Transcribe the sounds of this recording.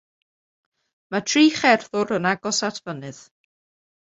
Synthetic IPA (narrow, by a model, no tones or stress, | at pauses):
matʰriːχɛrθʊɾənaɡɔsatʰv̥ənɨð